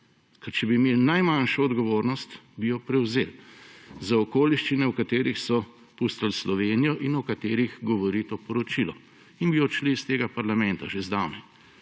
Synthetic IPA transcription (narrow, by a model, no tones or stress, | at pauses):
kɛɾt͡ʃɛbimeːlnajmanʃɔːd̪ɡɔʋoːɾnɔst̪bijɔpɾɛwzeːlzaɔkoːliʃt͡ʃinɛwkat̪eːɾixsɔ | pust̪alslɔʋeːnijɔʔinɔkat̪eːɾixɡɔʋɔɾit̪oːpɔɾɔt͡ʃilɔ | inbiɔt͡ʃlist̪eːɡapaɾlamɛ̃nt̪aʒezd̪awnɛ